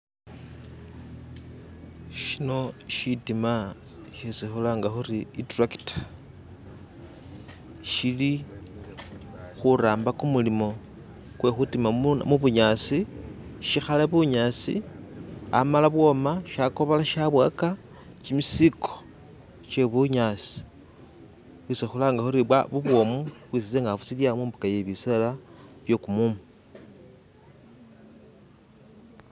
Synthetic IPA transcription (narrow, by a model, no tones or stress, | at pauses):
ʃino̞ʃitima | ʃisixulaŋɡaxuriitraki̥tḁ | ʃili | xuɾaːmbakumulimo̞ | kwe̞xutimamuβuɲasiʃixalaβuɲaːt͡sḭ | a̰malaβwo̞maʃako̞βalaʃaβwa̰ka | t͡ʃimisikʰo̥ | t͡ʃeβuɲasi̥ | wisexulaːŋɡaxuɾiβwaβuβwo̞muβwis̬it͡seŋɡafusiljamuːmbukajeβiselaβjo̞kumuːmbu